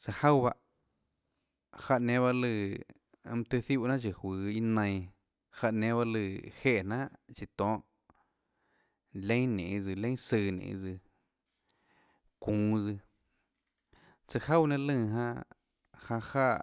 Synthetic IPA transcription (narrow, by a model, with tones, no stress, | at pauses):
t͡sa˧ha˦wβa˧ʔ | ha˧ʔnẽ˧˦βa˧ʔlɨ˧˨˧ | m˧t̪ɨ˧θu˦˧ʔnã˦t͡ʃi˨hwiː˨˦i˧nə̃˧j̃ | ha˧ʔnẽ˧˦βa˧lɨ˧˨he˦ʔnã˦ʔt͡ʃi˧˨t̪ɔ̃ː˦ʔ | lẽ˦nḛ̃˨˧d͡zɨ˧˨lẽ˦sɨː˧nḛ̃˨˧d͡zɨ˧ | kũː˨˦d͡zɨ˧ | t͡sɨ˧ha˦wnẽ˧lɨ̃ː˧˨ɦã˦˧ | hã˧haː˦˧˨ʔ